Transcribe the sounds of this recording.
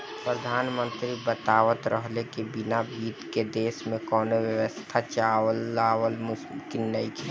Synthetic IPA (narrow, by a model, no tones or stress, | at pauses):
pɾəd̪ʱaːnmə̃nt̪ɾibət̪aːʋət̪ɾʔəɦlekebinabiːt̪ked̪eːsmẽkɔːnoʋjəʋəst̪ʰat͡ʃaːʋəlːaːʋəlmʊskinːəiki